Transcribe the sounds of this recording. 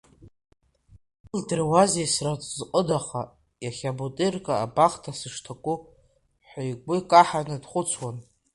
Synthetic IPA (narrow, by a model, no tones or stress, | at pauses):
ldrwazejsratʼzqʼədaχa | jaχʲabotʼerkʼaːbaχtʰasɨʂtʰakʷʼʊ | ħʷajɡʷʼʊkʼaħanɨdχʷʊt͡sʰwan